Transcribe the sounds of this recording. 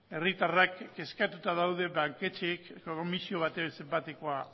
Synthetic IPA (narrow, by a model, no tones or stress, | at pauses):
e̞rit̪arakːe̞skat̪ut̪aðawðe̞βaŋke̞t͡ʃekokomisio̞β̞at̪ese̞mbat̪eko̞a